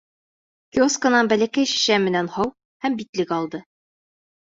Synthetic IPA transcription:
kʲioskənɑnbælækæjɕɘ̥̆ɕæmmɘ̆nænhɑw | hæmbit̪lɘkɒlˠd̪ɤ

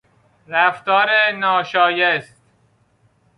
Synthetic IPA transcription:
ɾæft̪ɒːɾenɒːʃɒːjest̪̚

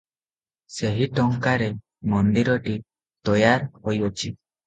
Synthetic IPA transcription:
seɦiʈɔŋkaɾe | mɔnd̪iɾɔʈi | t̪ɔjaɾhojɔt͡ɕi

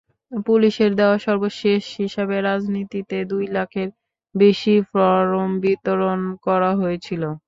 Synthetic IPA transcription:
puliʃeɾd̪ɛoaʃɔɾboʃeʃɦiʃabeɾad͡ʑnit̪it̪ed̪ujlakʰeɾ | beʃifɾɔɾombit̪oɾonkɔɾaɦoet͡ɕʰilo

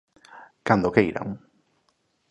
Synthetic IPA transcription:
kand̪okejɾa̰ŋ

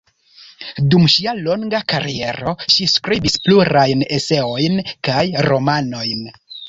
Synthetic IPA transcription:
dumʃialo̞ŋɡakaɾie̞ɾo̞ʃiskɾibispluɾajne̞se̞o̞jnkajɾo̞mano̞jn

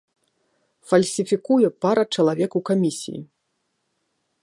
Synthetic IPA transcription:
fɐlʲsʲifʲikujɛpaɾɐt͡ʂɐlˠavʲɛkukamʲisʲḭjḭ

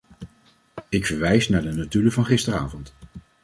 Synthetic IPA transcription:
ɪkfəɹʋɛjsnaːɹdənatyːləvɑnχɪstəɾa̰ːvɔnt

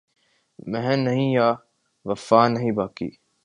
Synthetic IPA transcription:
mɛɦɛ̃nːɐɦĩjaː | ʋɐfaːnɐɦĩbaːkḭː

